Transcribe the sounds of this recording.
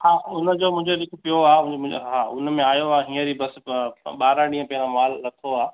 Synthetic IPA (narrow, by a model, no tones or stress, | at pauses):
haːʊnəd͡ʑoːmʊ̃ɦɪ̃ɲd͡ʑolɪkʰpijoaːʊɪ̃ʊ̰̃ɦaːʊnmẽaːjoaːɦĩːəd͡ʑibɐsɓaːɾãɗĩːə̃pɐɦɪ̃ɾamaːlːɐt̪ʰoaː